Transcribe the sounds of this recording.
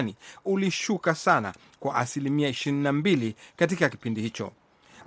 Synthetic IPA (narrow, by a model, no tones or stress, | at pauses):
niuliʃukasana̰ | kwaʔasilimiaiʃiɾinnambilikatikakipindihit͡ʃɔ̰